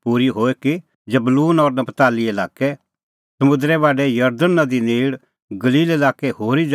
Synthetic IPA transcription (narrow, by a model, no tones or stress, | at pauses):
puːɾiɦoːeki | d͡ʒɐbluːnɔɾnɐpt̪aːlielaːkɛ | sɐmʊ̃d̪ɾɛβaːɖɛjɐɾd̪ənːad̪ineːɽ | ɡɐliːlelaːkɛɦoːɾid͡ʒ